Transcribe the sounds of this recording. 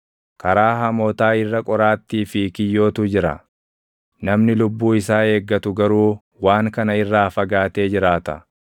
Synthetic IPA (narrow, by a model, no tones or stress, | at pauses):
kɐɾaːɦɐmoːt̪aːɪrːɐkʼɔɾaːt̪ːiːfɪkɪjːo̞ːt̪ʊd͡ʒɪɾɐ̰ | nɐmnɪlʊbːuːɪsaːe̞ːɡːɐt̪ʊɡɐɾuː | waːŋkɐnɐɪrːaːfɐɡaːt̪e̞ːd͡ʒɪɾaːt̪ɐ̰